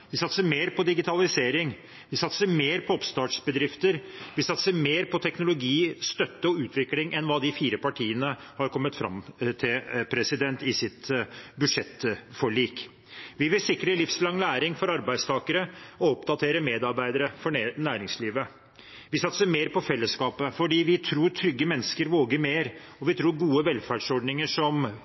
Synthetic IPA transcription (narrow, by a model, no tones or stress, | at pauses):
ʋɪsɑt̪səmeːɾpɔd̪ɪɡɪt̪ʰɑlɪseːɾɪŋ | ʋɪsɑt̪səmeːɾpʰɔɔpst̪ɑːʈʂbəd̪ɾɪft̪əɾʋɪsɑt̪səmeːɾpʰɔt̪ʰɛknʊlʊɡiːst̪œt̪ːəɔʉːt̪ʰʋɪklɪŋʔɛnʋɑːd̪ɪfiːɾəpɑʈʰiːənə | hɑɾkʰɔmːət̪fɾɑ̰mt̪ʰɪlpʰɾɛsɪd̪ɛnt̪ɪsɪt̪bʉd̪ʂɛt̪ːfɔɭiːk | ʋɪʋɪlsɪkːɾəlɪfslɑŋlæːɾɪŋfɔɾɑɾbæɪd̪st̪ʰɑːkəɾəɔɔpd̪ɑt̪ʰeːɾəmeːd̪ɑɾbæɪd̪əɾəfɔnæːɾɪŋsliːʋə | ʋɪsɑt̪ːsəmeːɾpɔfɛlːəskɑːpəfɔɖiːʋɪt̪ʰɾuːɾtʰɾʏɡːəmɛnːəskəɾʋoːɡəɾmeːɾ | ɔʋɪt̪ʰɾuːɾɡuːəʋɛlfæːɖʂɔɖnɪŋəʂɔm